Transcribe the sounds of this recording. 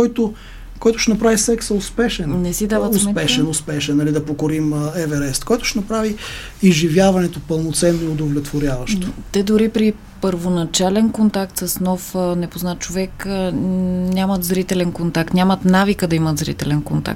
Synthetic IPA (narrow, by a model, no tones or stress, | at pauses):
kɔjt̪o | kɔjt̪ʊ̥ʃɛnɐpɾavisɛksɛʊspɛʃɛnnɛsid̪avət̪smɛpɛʃɛnʊspɛʃɛnːɐlid̪ɐpokoɾiməɛvɛɾɛst̪kɔjt̪ʊ̥ʃɛnɐpɾavi | izʒivʲjavɐnɛt̪opəlˠnot̪sɛnːoiʊd̪ovlʲɛt̪voɾʲjavɐʃt̪ot̪ɛd̪ʊɾipɾi | pəɾvonɐt͡ʃalɛnkont̪ak̚t̪səsnɔfənɛpoznat̪̚t͡ʃovɛkənʲamət̪zɾit̪ɛlɛnkont̪ak̚t̪nʲamət̪navikəd̪ɐimət̪zɾḭt̪ɛlɛnkont̪a̰k̚t̪